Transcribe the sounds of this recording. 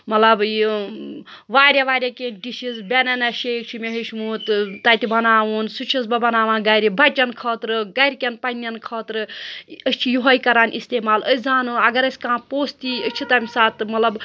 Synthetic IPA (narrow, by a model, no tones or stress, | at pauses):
mɐt̪lɐbi | ʋaːɾʲjaʋaːɾʲjakenɖiʃizbʲenɐnɐʃeːkt͡ʃʰimeɦiʃmuːt̪t̪ːɐt̪ibɐnaːʋuːnsut͡ʃʰizbɐbɐnaːʋãːnɡɐɾibɐt͡ʃɐnkʰɐːt̪ɾɨɡɐɾʲkʲenpɐnʲjɐnkʰɐːt̪ɾɨəsʲt͡ʃʰijuɦɐjkɐɾaːnʔist̪eːmaːləzaːnɨɐɡɐɾɐsʲkãːpoːst̪iət͡ʃʰit̪ɐmʲisaːt̪mɐt̪lɐb